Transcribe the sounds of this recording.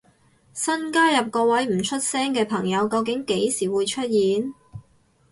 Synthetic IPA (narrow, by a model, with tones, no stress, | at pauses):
sɐ˥nkaː˥jɐ˨p̚kɔː˧wɐ˨˥jm̩˨˩t͡ʃʰɵ˥t̚sɛː˥ŋkɛː˧pʰɐ˨˩ŋjɐ˨˧wkɐ˧wk̬ɪ˨˥ŋke˨˥jsiː˨˩wuː˨˧jt͡ʃʰɵ˥t̚jiː˨˥n